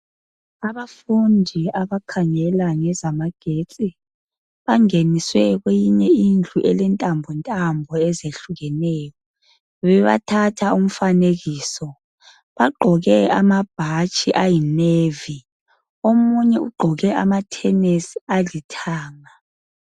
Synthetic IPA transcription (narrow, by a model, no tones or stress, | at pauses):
aβafundʱiaβakʰaŋɛlaŋɛzamaɡ̥ʱet͡sʼi | βaŋeniswɛɣwejiɲɛind͡ɮʱuʔɛlɛntʼambʱɔntʼambʱɔɛzeɬuɣɛnɛːjɔ | βɛβa̰tʰatʰaum̩faneɣiːsɔ | βaɡ͡ǃʱɔɣɛamab̥̚ʱat͡ʃʼiʔajinevi | omuɲɛuɡ͡ǃʱɔɣɛʔa̰matʰɛnesialitʰaːŋa